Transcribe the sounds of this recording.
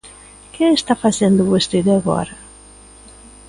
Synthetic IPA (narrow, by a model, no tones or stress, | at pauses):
keːst̪afasend̪ʊβost̪eðaɣɔ̰ɾɐ